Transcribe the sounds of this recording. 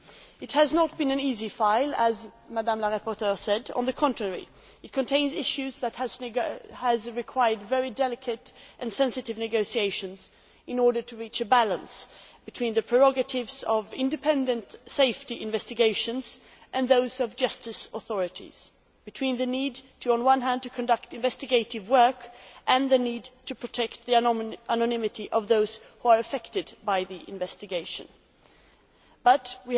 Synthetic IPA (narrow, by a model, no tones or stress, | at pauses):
ɨt̚hɨznət̚b̥ɨ̃nɨ̃nizifaɪlˠəz | madãmləɾapɔɹtɜɹsɛdə̰̃nðɨkʰɑ̃ntɹ̥əɹḭ | ɨt̚kʰɨ̃ntʰẽɪ̃nzɪʃʉzðɨt̚həz | əzɹɨkʰw̥aɪə˞dvɛɹidɛlˠɨkʰɨɾʔɨ̃nsɛ̃nsɨɾɨvnɨɡoʊsieɪʃɨ̃nz | ʔɨ̃nɔɹɾə˞tʰɨɹit͡ʃɨbælˠə̃nsb̥ɨtʰw̥ĩnðɨpʰɹ̥əɹɔɡɨtɪvzʌvɪ̃ndɨpʰɛ̃ndɨ̃ntseɪftiʔɨ̃ɱvɛstɨɡeɪʃɨ̃nz̥ | ʔɨ̃nðoʊzʌvd͡ʒʌstɨsəθɔɹɨɾḭz̥ | b̥ɨtʰw̥ĩnðɨnidtʰɨə̃nwʌ̃nɦæ̃ndtɨkʰɨ̃ndʌk̚tɨ̃ɱvɛstɨɡeɪɾɨvwɜ˞kʔɨ̃nðɨnid̚tʰɨpʰɹ̥ɨtʰɛk̚t̪̚ðiʔænɨnɪ̃mɨɾiʔʌvðoʊz̥ | huə˞ɨfɛktɨdbaɪðiʔɪ̰̃ɱvɛstɨɡeɪʃɨ̰̃n | b̥ʌt̚wi